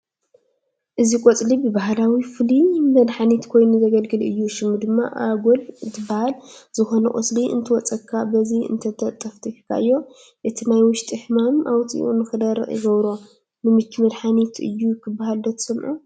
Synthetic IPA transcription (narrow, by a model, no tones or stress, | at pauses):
ʔɨzikʷʼot͡sʼlibɨbahalawifɨlimɐd̪ħanit̪kʰo̞jnuzɐɡɐlɡɨlɨ̰jːuʃɨmːɨd̪ɨmːa̰ʔa̰ɡolɨt̪ʰɨbahalz̥ɨxo̞nɐkʼo̰sliʔɨ̰nt̪ʰɨwɔt͡sʼɐkʰːabɐziɨ̰nt̪ʰɐt̪ʰɐt̪ʼːɐft̪ʰɨħkʰa̰ɨjːo̞ | ʔɨt̪ʰinajwʊʃt̪ʼɨħmamʔawt̪ʼḭʔṵnɨxɨd̪ɐɾ̰ʔjɪ̰ɡɐβɾo | nɨmɨt͡ʃːmɐd̪ħanit̪ʰɨ̰jːujɪkʰːɨbːahald̪ɐt̪ʰsɐmʔu